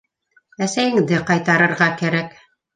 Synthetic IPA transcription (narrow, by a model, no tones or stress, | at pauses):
æsæjɘ̆ŋd̪ɘqɑjt̪ɑɾɤ̆ɾʁɑkæɾæk